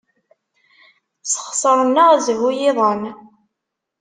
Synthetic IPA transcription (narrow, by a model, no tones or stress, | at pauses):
sə̥χsˤəɾˤənːəʁzvujɪðˤən